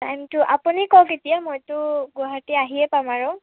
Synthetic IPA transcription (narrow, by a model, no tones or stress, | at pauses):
tajmtʊʔapunikɔwketijamojtʊɡuɦatiaɦiɛpamaɹʊ̃